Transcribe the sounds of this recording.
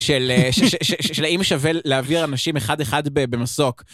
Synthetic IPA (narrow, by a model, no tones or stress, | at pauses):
ʃeleʃʃeʃeʃelaimʃaveleaviʁanaʃimeχad̪eχad̪bebe̞maso̞k